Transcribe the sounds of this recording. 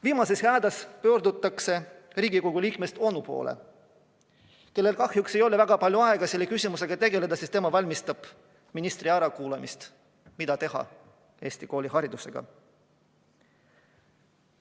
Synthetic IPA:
viːmɑse̞shæːd̪ɑspøːrd̪ut̪ːˑɑkse̞riːɡiko̞ɡ̥ulʲiːkme̞st̪o̞nupo̞̰ːlḛ | ke̞lːe̞lkɑhjukse̞jo̞le̞væɡ̥ɑpɑlʲjuɑe̞ɡ̥ɑselːekysʲimuse̞ɡ̥ɑt̪e̞ɡe̞le̞d̪ɑsist̪emɑvɑlʲmist̪ɑb̥ | minist̪riɑɾɑkuːlemist̪ | mid̪ɑt̪e̞ɦɑ̰ | e̞ːst̪iko̞ːlʲihɑɾid̪use̞ɡ̥ɑ̰

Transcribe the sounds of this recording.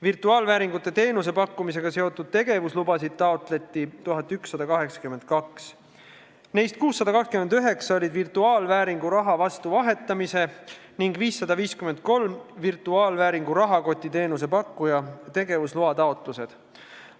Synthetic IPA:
virt̪ˑuɑːlvæːɾiŋɡut̪ːˑe̞t̪e̞ːnus̬e̞pɑkːumis̬e̞ɡ̥ɑse̞o̞t̪ːˑud̪̥̚t̪e̞ɡ̥e̞vuslubɑsid̪̥̚t̪ɑot̪ˑle̞t̪ːˑit̪uɦɑt̪ːˑyksːɑd̪̥ɑkɑɦe̞ksɑ̥kyme̞nd̪̥̚kɑks | nejst̪̚kuːsːɑd̪ɑkɑkskymend̪yɦe̞ksɑolʲid̪virt̪uɑːlvæːɾiŋɡuɾɑɦɑvɑst̪uvɑɦe̞t̪ːˑɑmise̞ | niŋɡviːsːɑd̪ɑviːskyme̞nd̪̥̚ko̞lmvirt̪ˑuɑːlvæːɾiŋɡuɾɑɦɑko̞t̪ʲːˑit̪e̞ːnus̬e̞pɑkːujɑt̪e̞ɡ̥e̞vusluɑt̪ɑo̞t̪ˑluse̞d̪̥

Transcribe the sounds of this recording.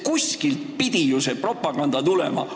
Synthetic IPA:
kusʲkilt̪̚pid̪̥ijuse̞pro̞pːˑɑɡ̥ɑnd̪̥ɑt̪ulḛmɑ̰

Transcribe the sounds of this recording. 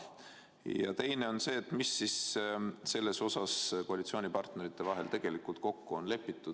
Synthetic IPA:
jɑ̰t̪e̞jne̞o̞nse̞ːt̪ːmisːisse̞lːe̞so̞sɑsko̞ɑlʲit̪sio̞ːnʲipɑrt̪ne̞ɾit̪ˑːe̞vɑɦe̞lt̪e̞ɡ̥e̞likult̪̚ko̞kːuo̞nle̞pːˑit̪ːˑud̪̥

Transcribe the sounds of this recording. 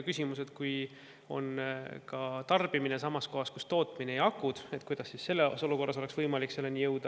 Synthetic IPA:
kysʲimuse̞t̪kuj | o̞̰nkɑt̪ɑrb̥imine̞sɑmɑsko̞ɦɑskust̪o̞ːt̪ˑmineejɑkːˑud̪̥e̞t̪̚kujd̪ɑsːisse̞lːeoso̞luko̞rːɑs̬o̞le̞ksvɤjmɑlikse̞lːe̞nʲijɤwd̪̥ɑ

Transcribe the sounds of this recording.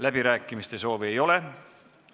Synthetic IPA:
læb̥iɾæːkːˑimist̪e̞so̞ːvie̞jo̞le̞

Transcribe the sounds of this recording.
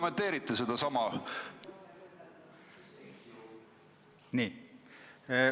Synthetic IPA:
ment̪ːe̞ːɾit̪ˑːesed̪̥ɑsɑmɑ | niː

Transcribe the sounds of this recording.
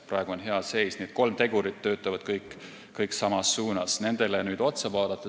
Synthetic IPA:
prɑeɡ̥uo̞nɦe̞ɑse̞jsniet̪̚ko̞lmt̪e̞ɡuɾit̪ːø̞ːt̪ːˑɑvɑd̪̥kɤjkːˑ | kɤjksɑmɑsːuːnɑsne̞nd̪̥e̞lenyːd̪o̞t̪sɑvɑːd̪̥ɑt̪ːˑɑ

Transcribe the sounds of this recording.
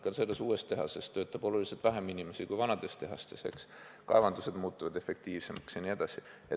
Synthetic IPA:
kɑnselːesuːe̞st̪e̞ɦɑse̞st̪øːt̪ːˑɑb̥o̞luliset̪væɦeminimesikujvɑnɑd̪e̞st̪e̞ɦɑst̪e̞se̞̰ks | kɑ̰e̞vɑnd̪̥use̞d̪muːt̪ːuvɑd̪̥e̞fe̞k̚t̪iːvse̞mɑksjɑnied̪̥ɑsie

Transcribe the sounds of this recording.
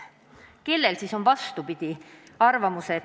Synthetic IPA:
ke̞lːe̞lsiso̞nvɑst̪upid̪̥i | ɑrvɑmuse

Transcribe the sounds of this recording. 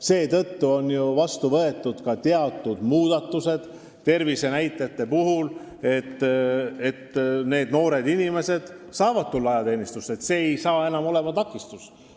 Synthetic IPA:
se̞ːt̪ɤt̪ːuo̞njuvɑst̪uvɤet̪ːˑud̪̥kɑt̪eɑt̪ˑːud̪̥muːd̪̥ɑt̪ːuse̞d̪̥ | t̪e̞rvise̞næjt̪ːˑet̪ːe̞puɦul | e̞t̪ːe̞t̪ːne̞ːd̪no̞ːɾe̞d̪inime̞se̞d̪̥sɑːvɑd̪̚t̪ulːɑɑjɑt̪e̞ːnist̪ust̪e̞t̪se̞ːejsɑːe̞nɑmo̞le̞mɑt̪ɑkːˑist̪us

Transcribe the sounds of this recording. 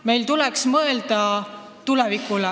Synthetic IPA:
me̞jlt̪ulɛksmɤeld̪̥ɑ | t̪ulɛvikːulɛ

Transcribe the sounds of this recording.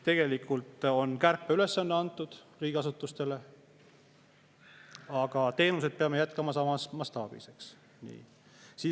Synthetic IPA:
t̪e̞ɡ̥e̞likːult̪ˑo̞nkærpːeyle̞sːɑnːeɑnt̪ːˑud̪̥riːɡ̥ʲiɑsut̪ːˑust̪e̞le̞ | ɑɡ̥ɑt̪e̞ːnus̬e̞d̪̥̚peɑme̞jæt̪kɑmɑsɑmɑsmɑst̪ɑ̰ːb̥ḭse̞ks | nḭː | siː

